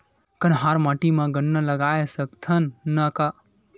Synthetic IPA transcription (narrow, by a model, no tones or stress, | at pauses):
kənɦãːɾmãːʈimãɡənːələɡaːesəkt̪ʰənːəka